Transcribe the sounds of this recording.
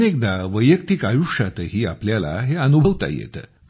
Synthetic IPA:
nek̚d̪aʋəjːəkt̪iːkajuʂjat̪əɦiːapljala̰ɦeənubʱəʋt̪a̰jḛt̪ə

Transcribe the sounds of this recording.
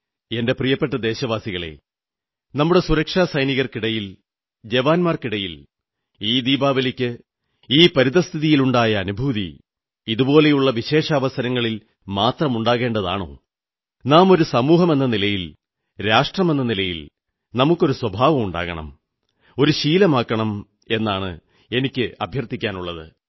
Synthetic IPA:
e̞nde̞prijɐpːeʈːɐd̪e̞ːɕɐʋaːsiɣɐɭe̞̰ | nɐmːuɽe̞suɾɐkʂaːsɐjniɣɐrkiɽɐjil | d͡ʑeʋaːnmaːrkiɽɐjil | iːd̪iːbaːʋɐlikʲːɨ | iːpɐɾiðɐst̪ʰiðijiluɳɖaːjɐːnubʱuːðḭ | iðubo̞ːle̞juɭːɐʋiɕe̞ːʂaːʋɐsɐɾɐŋːɐɭil | maːt̪rɐmuɳɖaːɣe̞ːɳɖɐða̰ːɳo̰ː | naːmo̞ɾusɐmuːɦɐme̞nːɐnilɐjil | ɾaːʂʈrɐme̞nːɐnilɐjḭl | nɐmukːo̞ɾuswɐbʱaːʋɐmuɳɖa̰ːɣɐ̰ɳɐ̰m | o̞ɾuɕiːlɐmaːkːɐɳɐm | e̞nːaːɳɨ̰ | e̞nikʲːɨɐbʱjɐrt̪ːikʲːaːnuɭːɐðɨ̰

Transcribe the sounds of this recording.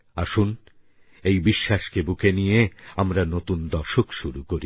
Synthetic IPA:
aʃun | ejbiʃːaʃkebukʰenijeamɾanot̪und̪ɔɾʃokʃuɾukoɾi

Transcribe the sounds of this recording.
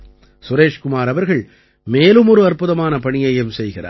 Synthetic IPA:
sʊɾeːʂkʊmaːɾɐʋɐɾɣɐɭ | meːlɯmɔɾɯɐrpɯðɐmaːnɐpɐɳɪjɐjɐmsɛjɣɪra̰ːɾ

